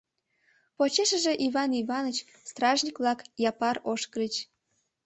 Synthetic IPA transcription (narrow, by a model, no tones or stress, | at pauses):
pot͡ɕeʃəʒeʔiβɑniβɑnət͡ɕ | st̪rɑʒnʲikβlɑkjɑpɑroʃkəɾit͡ɕ